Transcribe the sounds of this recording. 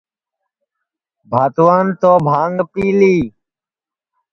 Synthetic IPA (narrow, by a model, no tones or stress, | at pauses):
bʱaːt̪ʋaːnt̪oːbʱãːŋɡpiːliː